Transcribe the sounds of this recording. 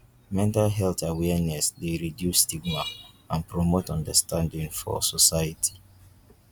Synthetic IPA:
mɛ̃ntalɦɛltawɛnɛsdeɹidjusːtiɡ̚ma | ãnpɹɔmotɔ̃ndəstãndĩŋfɔ̰sɔsaɪatʰi̥

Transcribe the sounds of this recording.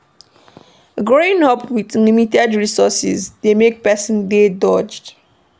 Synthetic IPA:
ɡɹoĩnɔpwitlimitɛdɹisɔsḭzdemek̚pɛsɔ̃ndedɔd͡ʒd

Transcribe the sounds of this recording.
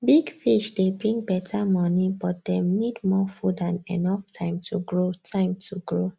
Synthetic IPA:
biɡfiʃdebɹĩŋɡbɛtʰamɔnibɔt̚d̥ɛ̃mnidmɔfudãnɛ̰nɔftʰãɪ̃mtʰuɡɹotʰãɪ̃mtʰuɡɹo

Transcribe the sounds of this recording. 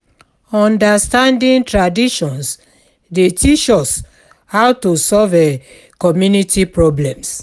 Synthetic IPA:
ɔ̃ndastãndĩntɹadiʃɔ̃ns | detʰit͡ʃɔs | hawtosɔvɛ | kɔmjunitʰipɹɔblɛ̃ms

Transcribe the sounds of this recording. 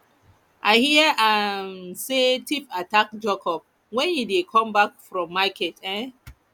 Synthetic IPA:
ʔaɪhiəʔansetifatak̚d͡ʒekʰɔp̚ | wɛ̃njidekʰɔ̃mbakfɹɔ̃mːakʰɛtɛ̃

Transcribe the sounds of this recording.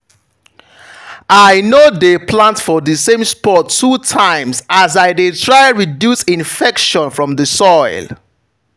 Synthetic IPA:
ʔaɪnodepʰlãntfɔðəsẽmspɔtʰːutʰãɪ̃msazaɪdetʰɹaɪɹidjusĩnfɛkʃɔ̃nfɹɔ̃mðəsɔɪl

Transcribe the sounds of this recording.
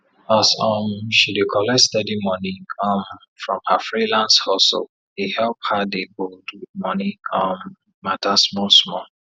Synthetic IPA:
asɔmʃidekʰɔlɛstɛdimɔnĩkʰɔ̃m | fɹɔ̃mhafɹilãnshɔsl | ihɛlp̚hadeboldwɪmɔnikʰɔ̃mː | atasmɔsmɔ

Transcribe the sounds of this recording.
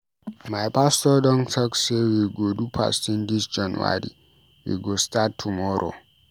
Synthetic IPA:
majpastɔɗɔnsɔksewiɡodupʰa̰stindisd͡ʒanuwa̰ɾḭ | wḭɡɔstatʰːumɔɾʔo̰

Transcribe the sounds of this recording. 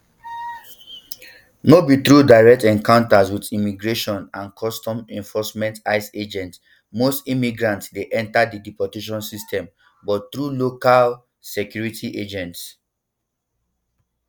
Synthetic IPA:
nobit̪ɹudaɪɹɛk̚tɛ̃nkãʊ̃ntaswitimiɡɹeʃɔ̃nãnkʰɔstɔ̃mɛ̃ɱfɔsmɛ̃ntaɪsed͡ʒɛ̃nt | mostimiɡɹãntsdeʔɛ̃ntadidipɔteʃ̬ɔ̃nsistʰɛ̃m | bɔttɹulokal | sɛkjuɹitʰiʔed͡ʒɛ̃nts

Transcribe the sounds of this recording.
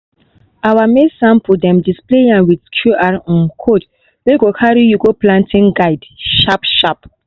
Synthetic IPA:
awamesãmpudɛ̃mdispleãnwidkʰjuʔaɹɔ̃nkʰod | weɡokʰaɹijuɡoplãntĩŋɡaɪdʃapʃap

